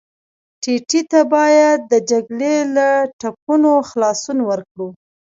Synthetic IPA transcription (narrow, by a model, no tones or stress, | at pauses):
ʈeʈit̪abɑjad̪̚ːəd͡ʒaɡlelaʈap̚unoxlɑsunwəɾkɽu